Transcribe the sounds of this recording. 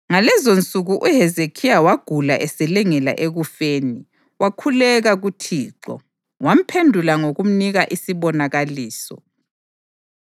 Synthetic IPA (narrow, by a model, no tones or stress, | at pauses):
ŋalɛzont͡sʼuɣuʔuɦɛzekʰijawaɡ̥ʱula̰ʔɛsɛlɛŋɛla̰ʔeɣufeːni | wakʰulɛɣaɣutʰiːǁɔ̰ | wam̩pʰendʱulaŋoɣum̩niɣaʔisiβɔnaɣaliːsɔ̰